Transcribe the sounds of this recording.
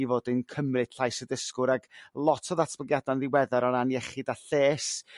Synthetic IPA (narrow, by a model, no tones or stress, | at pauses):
ivoːdɪnkʰəmrɨd̥ɬajsədɪskʊɾaɡlˠɔtʰɔðatʰbəɡjadanðɪwɛðaɾɔɾanjɛχɨdaɬeːs